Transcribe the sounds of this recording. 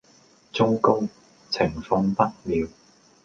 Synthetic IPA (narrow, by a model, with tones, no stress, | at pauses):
t͡so˥wko˥w | t͡sʰɪ˨˩ŋfʊ˧ŋpɐ˥t̚liː˨˧w